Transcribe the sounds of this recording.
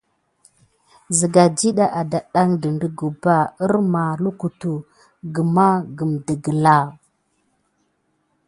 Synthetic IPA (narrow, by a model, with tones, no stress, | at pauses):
zə˨ɡa˨d͡ʒi˦ɗa˦ʔa˨da˨ɗa˦ŋdə˨ndə˨ɡu˨ba˦ə˦ɾma˨lu˦ku˨tu˨ | ɡə˨ma˦ɡə˨mdə˨ɡə˨la˦˨